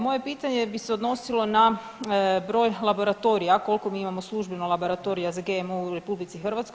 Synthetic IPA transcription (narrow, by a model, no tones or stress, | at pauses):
mo̞je̞piːt̪aɲe̞biseod̪no̞silˠo̞na | bɾo̞ːjlˠabo̞ɾat̪o̞ɾijako̞lko̞miːimamo̞slˠuʒbenolˠabo̞ɾat̪o̞ɾijazaɡemuɾe̞publit̪sixrʋat̪skoj